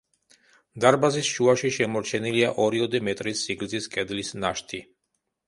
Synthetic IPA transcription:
d̪aɾbazisʃuaʃiʃɛmɔɾt͡ʃʰɛniliaʔɔɾiɔd̪ɛmɛt̪ʼɾisːiɡlziskʼɛd̪lisnaʃt̪ʰi

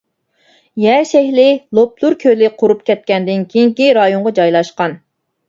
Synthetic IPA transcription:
jɛʃɛhlɪlˠop̚lˠuɾkʲʰølɪqʰoɾup̚kʲʰɛt̪̚kʲɛnd̪ɪnkʲʰejiŋkʲiɾɑjoɴʁɑd͡ʒɑjlˠɑʃqɑn

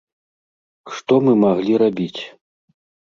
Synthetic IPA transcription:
ʂt̪ɔmɨmaɣlʲiɾabʲit͡sʲ

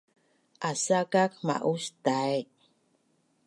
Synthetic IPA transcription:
ʔasakakma̰ʔuʃt̪ae

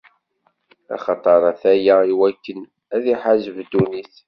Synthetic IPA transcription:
ɑ̰χɑt̪ˤɑɾˤɑθæjaiwækːən | æðiħaʒəvd̪uniθ

